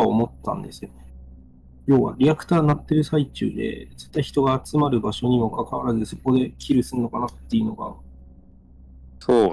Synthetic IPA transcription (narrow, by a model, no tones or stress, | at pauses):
omo̞t̪ːã̰nd̪e̞sɨjo | jo̞ːβa̰ɾʲiakɯ̟̥t̪aːnat̪ːe̞ɾɯ̟sait͡ɕɨ̰ːd̪e̞̰d͡zɨ̥t̪ːaiçi̥t̪o̞ɡaːt͡sɨmaɾɯ̟baɕo̞ɲ̟imo̞kakaβaɾazɨso̞kːo̞d̪e̞kʲʰiɾɯ̟sɨɯno̞kanat̪ːe̞iɯ̟no̞ɡa̰ | soː